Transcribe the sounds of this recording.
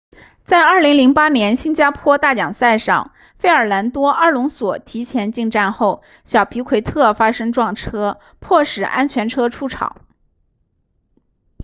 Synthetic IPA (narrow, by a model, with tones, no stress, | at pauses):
t͡sa˥˧ɪɐ˞˥˩li˧˥ŋli˧˥ŋpa˥njɛ˧˥nɕi˥nt͡ɕja˥pʰwɔ˥t̪a˥˩t͡ɕjɑ˨˩ŋsa˥˧ɪʂɑ̰˥˩ŋ | fe˥˩ɪə˞˨˩la˧˥nt̪wɔ˥ʔə˥˧lʊ˧˥ŋswɔ˨˩t̪ʰi˧˥t͡ɕʰjɛ˧˥nt͡ɕi˥˧ŋʈ͡ʂa˥˧nxo˥˩ʊ | ɕjɑ˨˩ʊpʰi˧˥kʰwe˧˥ɪt̪ʰɤ˥˩fa˥ʂɤ˥ŋʈ͡ʂwɑ˥˩ŋʈ͡ʂʰɤ˥ | pʰwɔ˥˩ʂɻ̩˨˩ʔa̰˥nt͡ɕʰɥɛ˧˥nʈ͡ʂʰɤ˥ʈ͡ʂʰu˥ʈ͡ʂʰɑ̰˨˩˦ʊ